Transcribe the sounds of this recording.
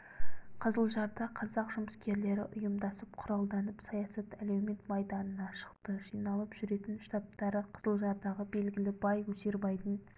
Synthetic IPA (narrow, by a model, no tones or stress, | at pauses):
qʰəzəlˠʒɑɾd̪ɑqʰɑzɑqʒʊməskʲʰe̞ɾle̞ɾɪ̰ʔʊjʊmd̪ɑsəp̚qʰʊɾɑlˠd̪ɑnəpsɑjɑsɑt̪ælewme̞nt̪mɑjd̪ɑnənɑʃə̥qt̪əʒijnɑlˠəpʒ̥ʏɾe̞t̪ɪnʃt̪ɑp̚t̪ɑɾəqʰəz̥əlˠʒɑɾd̪ɑʁəbe̞lɡʲɪlɪbɑjwɵseɾbɑjd̪ən